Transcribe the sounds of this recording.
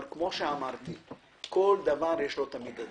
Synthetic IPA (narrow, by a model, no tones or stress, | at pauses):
ɾkmoʃeamaɾni | koːɽ̚d̪ɐvãːɾeʂot̪ɐmid̪ɐ